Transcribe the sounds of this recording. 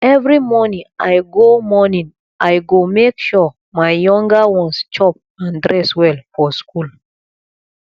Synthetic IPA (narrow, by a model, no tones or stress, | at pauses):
ɛvɹimɔnĩŋajɡomɔnĩŋ | ajɡomekʃɔ | maɪjɔ̃ŋɡawɔ̃nst͡ʃɔp̚ | ãndɹɛswɛlfɔskul